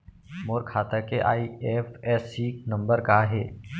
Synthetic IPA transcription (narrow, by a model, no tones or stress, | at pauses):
moːɾkʰaːt̪akeʔa̰ːieːfɛːsiknə̃mbəɾkaɦɛ̰ː